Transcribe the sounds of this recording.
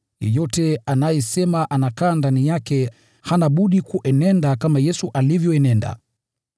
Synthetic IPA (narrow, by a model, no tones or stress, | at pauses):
jɛ̰jɔtɛanajɛsɛmaʔanakaːndanijakɛ | hanaɓuɗikuʔɛnɛndakamajɛsuʔalivjɔɛnɛnda̰